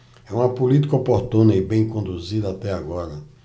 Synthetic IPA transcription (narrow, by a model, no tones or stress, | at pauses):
ɛũmɐpulit̪i̥kɐopoɾt̪ũnɐibẽj̃kõnd̪uzid̪ɐat̪ɛaɡɔɾɐ